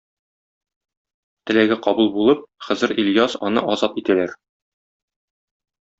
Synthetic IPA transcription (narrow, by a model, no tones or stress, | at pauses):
t̪ɘ̆læɡæqɒbulˠbulˠɤp̚χɤ̆zɘɾiljɑsɒnɤ̰ʔɒzɑt̪it̪ælæɾ